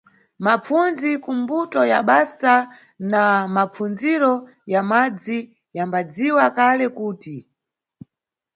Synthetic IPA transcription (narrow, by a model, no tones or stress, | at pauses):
map͡funzikumbutɔjaɓasa | namap͡fund͡ziɾɔ | jamad͡zi | jambad͡ziwakalɛkuːti